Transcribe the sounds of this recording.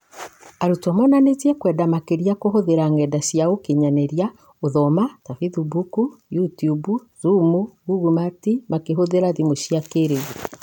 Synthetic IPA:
aɾutɔmɔnanetiɛkwɛdamakeɾiakoɦoðeɾaŋɛdasiaokeɲanɛɾja | oðɔmatafiðubukujutiubu | zumuɡuɡumatimakeɦoðeɾaðimoʃiakeɾe

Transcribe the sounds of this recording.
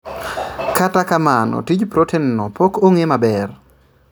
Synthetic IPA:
katakamanɔ̰tid͡ʒpɾotʰennɔpokoŋemabɛr

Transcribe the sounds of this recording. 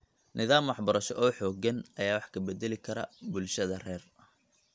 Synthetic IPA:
nɪðaːmwɑħbɐɾɐʃɔʔɔːħɔːɡɐnɐjaːwɑħkʰɐbɛd̪ɛlɪkʰɐɾɐ̰bʊlʃɐðɐrɛːrɐ

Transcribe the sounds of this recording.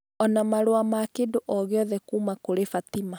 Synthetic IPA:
ɔnamaɾoamakedoʔɔɣeɔðɛkuːmakoɾefatima

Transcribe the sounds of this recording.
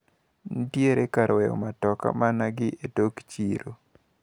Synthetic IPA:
n̩tjeɾekaɾwɛjɔ̰matɔka̰manaɡɪʔetokt͡ʃiɾo

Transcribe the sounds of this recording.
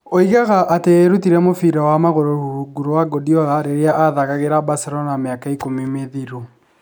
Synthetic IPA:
oiɣaɣaʔːteːɾutiɾɛmofiɾawamaɣoɾohuuɡuɾowaɡodiɔɣaɾeɾeaʔaðaɣaɣeɾabaseɾɔnameakaikomimeðiɾo

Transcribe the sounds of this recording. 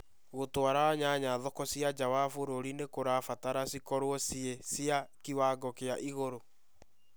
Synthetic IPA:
ɣotoaɾaaɲaɲaːðɔkɔsiad͡ʒawafoɾoɾinekoɾafataɾasikɔɾwɔsiesjakiwaɡɔkeaʔiɣoɾo

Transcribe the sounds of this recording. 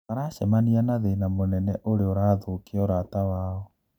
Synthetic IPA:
aɾaʃɛmanianaðenamonɛnɛʔoɾeoɾaːðokeɔɾatawaɔ

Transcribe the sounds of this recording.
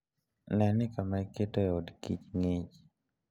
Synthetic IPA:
nɛnɪkamaiketɔodkit͡ʃŋet͡ʃ

